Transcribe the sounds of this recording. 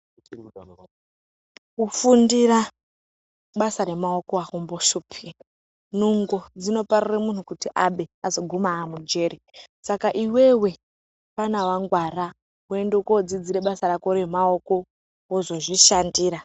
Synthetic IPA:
kufundiɾa | ɓasaɾe̞mao̞koakumboʃupʰi | nuŋɡod͡zino̞pariremun̤ukutiʔaɓe̞azo̞ɡʱumaːmud͡ʒe̞ɾisakaʔiwe̞we̞ | panawaŋɡwara | wue̞ndokod͡zid͡ziɾe̞ɓasaɾakoɾemao̞ko̞ | wozo̞ʐiʃandiːɾa

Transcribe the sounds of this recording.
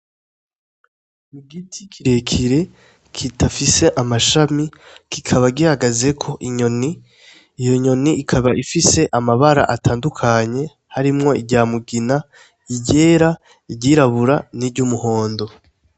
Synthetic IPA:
iɡitʰikʰiɾe̞kʰiɾe̞ | kʰitʰafise̞ʔamaʃamikikʰaβaɡihaɡaze̞kʰo̞ʔiɲo̞niː | jo̞ɲo̞niːkʰaβaʔifise̞ʔamaβaɾa̰ʔatʰaːndukʰaɲe̞ | haɾimŋo̞iɟaːmuɡina | iɟe̞ːɾa | iɟiɾaβuɾaniɾɟumuho̞ːndo̞

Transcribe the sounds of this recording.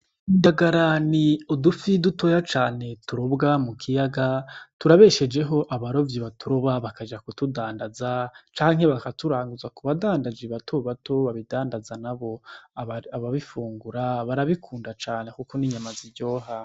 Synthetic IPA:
indaɡaɾaniudufiduto̞jat͡ʃaːne̞tuɾobɡamukʰijaɡatuɾaβe̞ʃe̞d͡ʒe̞ɦo̞ʔaβaɾo̞vjiβatʰuɾoβaβakad͡ʒakutudaːndazat͡ʃaːŋhe̞βakatuɾaːŋɡuzakuβadaːndad͡ʒiβatʰoβatʰo̞βaβidaːndazanaβo̞aaβaβifuːŋɡuɾaβaɾaβikʰuːndat͡ʃaːne̞kukoniɲamaziɟo̞ːɦa

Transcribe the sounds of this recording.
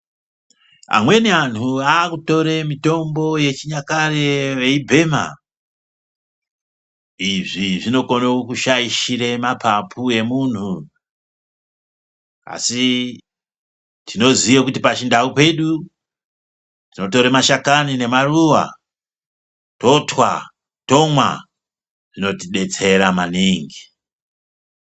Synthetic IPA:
a̰mwe̞niantuaːkuto̞ɾemito̞mbo̞je̞t͡ʃiɲakareʋeibʱe̞ːma̰ | iʐiʐino̞konokuʃaiʃiɾe̞mapʰapʰue̞muntu | a̰si | tʰino̞ziwakutipat͡ʃindaupe̞ɗu | tino̞t̬o̞ɾemaʃakanine̞maruwa̰ | to̞twa | to̞mwa | ʐ̥ino̞tiɗe̞t͡se̞ɾamaniŋɡi

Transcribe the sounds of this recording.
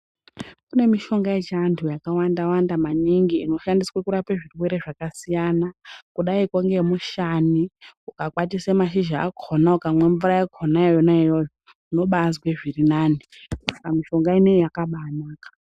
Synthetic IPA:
kune̞miʃo̞ŋɡaet͡ʃantʰujakawandawandamaniŋɡiːno̞ʃandiswekuɾapeʐirwe̞ɾe̞ʐakasijanakuɗaikoŋɡe̞muʃaniukakwatise̞maʃiʒaːkʰonaukamwe̞ɱvuɾaekʰonaejonaijojo | uno̞ɓazweʐirinaːni | sakamiʃo̞ŋɡaine̞jakaɓanaːkḁ

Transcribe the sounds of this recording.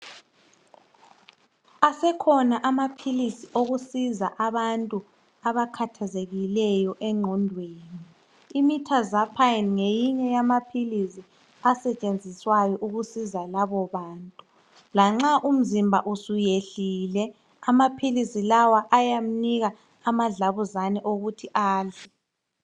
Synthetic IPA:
asɛkʰɔnaʔamapʰilisioɣusizaʔaβantʼu | aβakʰatʰazeɣilɛjɔʔɛŋ͡ǁʱɔndʱweːniː | mitʰazapʰajinŋejiɲɛjamapʰilisi | asɛt͡ʃʼend͡zʱiswajɔʔuɣusizalaβɔβaːntʼu | laŋ͡ǁaʔum̩zimbʱa̰ʔusujeɬiːlɛ | amapʰilisilawaʔajam̩niɣaː | maɮaβuzanɛʔoɣutʰiʔaːɮɛ

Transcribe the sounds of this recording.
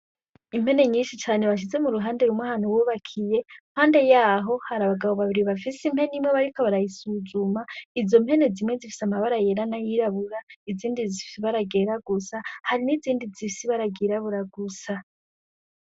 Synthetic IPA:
im̥he̞ne̞ɲiːnʃit͡ʃaːne̞βaʃ̬ize̞muɾuɦaːnde̞ɾumŋahanowuːβakʰije̞̥haːnde̞jaːɦo̞haɾaβaɡaβo̞βaβiɾiβafisimhe̞nimweβaɾiko̞βaɾajisuzumaizo̞mpe̞ne̞zimŋezifi̥samaβaɾajeɾanajiɾaβuɾaiziːndizifisiβaɾaɡe̞ɾaɡusahaɾiniziːndizifisiβaɾaɡiɾaβuɾaɡusa

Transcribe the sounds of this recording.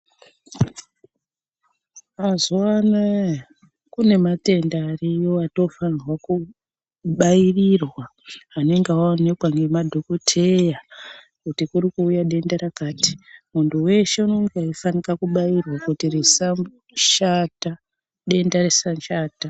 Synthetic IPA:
azowana | kune̞mate̞ndarijoato̞fanrwaku | ɓairirwaː | ne̞ŋɡewone̞kwaŋɡe̞madʱo̞kotʰeja | kutikuɾikuːjaɗe̞ndaɾakaːti̥muntuwe̞ʃe̞uno̞ŋɡaifanikakuɓairwakutiresam | ʃata | ɗe̞ndaɾesanʃaːta

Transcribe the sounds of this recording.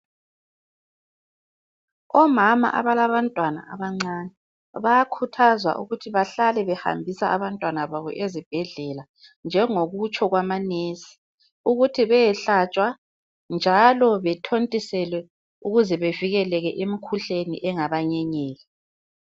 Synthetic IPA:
ɔmama̰ʔa̰βalaβantʼwana̰aβaŋ͡ǀanɛ | βajakʰutʰazwa̰ʔṵɣutʰiβaɬalɛβɛha̰mbʱisaːβantʼwanaβaβɔ̰ʔezib̥̚ʱɛɮɛla | nd͡ʒʱɛŋoɣut͡ʃʰʼɔɣwamaneːsi̥ | uɣutʰiβɛjɛɬat͡ʃʼwa | nd͡ʒʱalɔβɛtʰontʼisɛlwɛ | uɣuzɛβeviɣɛlɛɣɛʔemikʰuɬenḭʔɛŋaβaɲɛɲɛːɣɛ

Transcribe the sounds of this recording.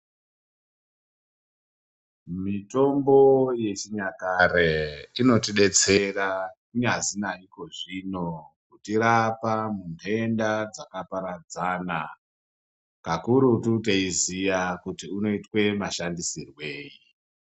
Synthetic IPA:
mito̞mbo̞je̞t͡ʃiɲakaɾeino̞tiɗe̞t͡se̞rakuɲazinaiko̞ʐino̞kutiɾapamunendad͡zakapaɾad͡zaːna | kakuɾutut̬eizijakutiuno̞itwe̞maʃandisirwe̞ːji

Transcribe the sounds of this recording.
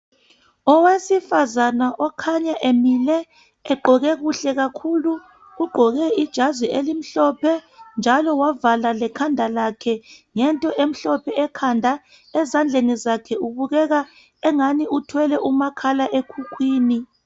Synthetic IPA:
ɔwesifazanaʔɔkʰaɲaʔemilɛ | ɛɡ͡ǃʱɔɣɛɣuɬɛɣakʰuluː | ɡ͡ǃʱɔɣɛid̥ʒ̥ʱazwiʔelim̩ɬɔpʰɛnd͡ʒʱalɔwavalalɛkʰandʱalakʰɛŋɛntʼɔʔem̩ɬɔpʰɛɛkʰandʱa | ɛzand͡ɮʱenizakʰɛuβuɣɛɣa | ɛŋaniutʰwɛlɛʔumakʰalaʔekʰukʰwiːni

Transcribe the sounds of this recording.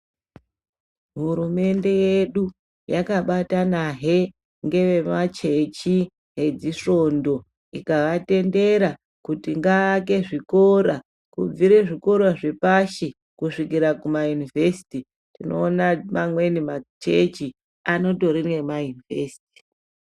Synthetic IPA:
ɦuɾume̞nde̞je̞ɗu | jakaɓatanaɦe̞ | ŋɡe̞ʋe̞mat͡ʃe̞t͡ʃi | ɦe̞d͡ziʂo̞ndo̞ | ikaʋate̞nde̞ɾa | kutiŋɡaːk̬e̞ʐiko̞ɾa | kṵb͡viɾe̞ʐiko̞ɾaʐe̞paʃi | kuʂikiɾakumajunivesi̥ti | tino̞̰ːnamamwe̞nimat͡ʃe̞t͡ʃi | ano̞to̞ɾinwe̞majunivesi̥ti̥

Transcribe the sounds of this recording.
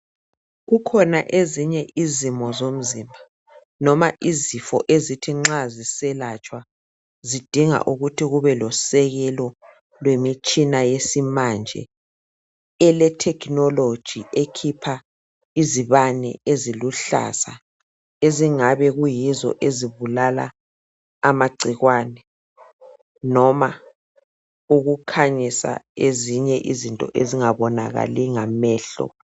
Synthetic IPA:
ɣukʰɔnaʔeziɲɛʔizimɔzom̩zḭːmbʱa | nɔmaʔizifɔ̰ʔezitʰiŋ͡ǁazisɛlat͡ʃʼwa | zid̥ʱiŋa̰ʔuɣutʰiɣuβɛlɔsɛɣɛlɔ | lwemit͡ʃʼinajesimand͡ʒʱɛ̰ | ɛlɛtʰɛkʰnɔlod̥ʒ̥ʱiʔekʰipʰa | iziβanɛ̰eziluɬa̰sa | eziŋaβɛɣujizɔ̰ʔeziβulala̰ː | maɡ͡ǀʱiɣwaːnɛ | nɔma | uɣukʰaɲisa̰eziɲɛʔizintʼɔ̰ʔeziŋaβɔna̰ɣa̰liŋamɛːɬɔ̰

